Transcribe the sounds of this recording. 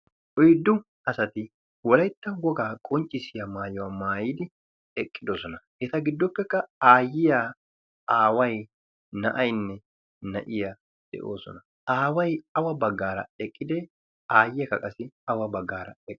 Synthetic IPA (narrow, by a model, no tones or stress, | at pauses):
ʔɔjd̪ːʊ | ɐsɐt̪ɪ | wɔlɐjt̪ːɐwɔɡaːkʼɔnt͡ʃʼːɪsɪjɐmaːjwɐmaːjɪːd̪ɪ | ɛkʼːɪd̪ɔsɔnɐʔɛt̪ɐɡɪd̪ːɔpːɛkːɐaːjɪja | ʔaːwɐj | nɐʔɐjnːɛ | nɐ̰ʔɪjɐ | d̪̥ɛ̰ʔo̰ːsɔ̰nɐ | ʔaːwɐjɐwɐbɐɡːaːɾɐɛkʼːɪd̪eː | aːjɪjɐkɐkʼɐsɪɐwɐbɐɡːaːɾɐɛkʼː